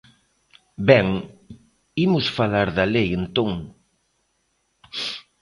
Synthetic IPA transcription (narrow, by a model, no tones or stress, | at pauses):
bɛŋ | imʊsfalaɾðɐlejent̪oŋ